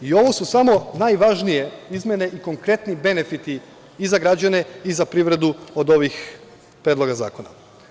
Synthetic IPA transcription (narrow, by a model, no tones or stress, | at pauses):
io̞ʋo̞susamo̞najʋaʒnije̞izmʲe̞ne̞ʔiko̞ŋkɾe̞t̪nibe̞ne̞fit̪iː | zaɡɾad͡ʑane̞izapɾiʋɾe̞d̪uod̪o̞ʋix | pɾed̪lo̞ɡaza̰ːko̞na